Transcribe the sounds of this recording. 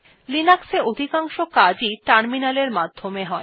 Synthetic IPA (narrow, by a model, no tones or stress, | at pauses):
linakseod̪ʱikaŋʃokad͡ʑiʈaɾminaleɾmad̪ʱːomeɦɔe